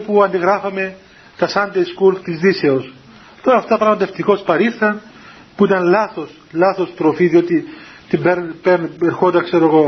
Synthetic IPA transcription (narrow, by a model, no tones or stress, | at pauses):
puɐnd̪iɣɾɐfɐme̞ | t̪ɐsɐnd̪ejskult̪izðise̞os | t̪oɾɐft̪ɐpɾɐɣmɐt̪e̞ft̪iko̞spɐɾiɾθɐn | puit̪ɐnlɐθo̞s | lɐθo̞st̪ɾofiðio̞t̪i | t̪imbeɾpeneɾxo̞nd̪ɐkse̞ɾo̞eɣo̞